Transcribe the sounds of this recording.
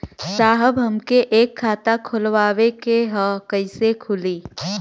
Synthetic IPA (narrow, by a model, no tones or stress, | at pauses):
saːɦəbɦɐmkeʔeːkʰːaːt̪akʰʊlwaːwekeɦɔ̃kɐɪsekʰʊliː